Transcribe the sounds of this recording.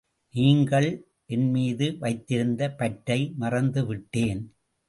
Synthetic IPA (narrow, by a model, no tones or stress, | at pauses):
niːŋɡɐɭ | ʔɛnmiːðɯʋɐɪt̪ːɪɾɯnd̪ɐpɐʈːɐɪmɐrɐnd̪ɯʋɪʈːeːn